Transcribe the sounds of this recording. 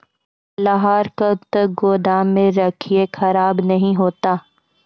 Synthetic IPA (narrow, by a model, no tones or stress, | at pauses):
lɐɦaːɾkət̪əɡoːd̪ʱaːmẽɾɐkʰiexɐɾaːbnɐɦĩɦoːt̪aː